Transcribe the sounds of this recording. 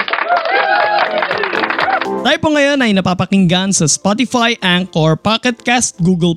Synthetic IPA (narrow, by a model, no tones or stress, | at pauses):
t̪aːjɪpoŋɐjo̞nɐjnɐpaːpɐkɪŋɡansɐspɔt̪ɪfajʔaŋkoɹpakɛt̪̚kast̪̚ɡuːɡɛl